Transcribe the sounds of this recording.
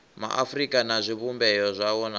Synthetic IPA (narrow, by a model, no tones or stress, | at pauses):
ma̰ʔafrikʼanazʷiβumbɛjɔzʷawɔna